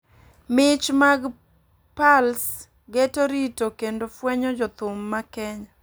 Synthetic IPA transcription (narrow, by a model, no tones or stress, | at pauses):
mɪt͡ʃmaɡ | pals | ɡetoɾitokendofwɛɲɔd͡ʒɔt̪ʊmːakɛɲa